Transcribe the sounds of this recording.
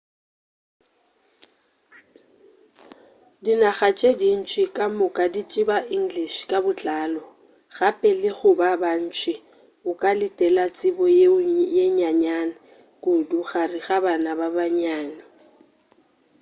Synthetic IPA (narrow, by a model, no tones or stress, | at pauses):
dinaɣat͡ʃʼedin̩t͡ʃʰʼɪkʼamʊkʼadit͡ʃʼɪbaʔiŋ̩ɡliʃkʼabʊt͡ɬʼaːlɔ | ɣapʼɛlɪɣʊbaban̩t͡ʃʰʼɪ | ʊkʼalɪtʼɛlat͡sʼɪbɔjjeɲaɲana | kʼʊduɣariɣabanababaɲaːnɪ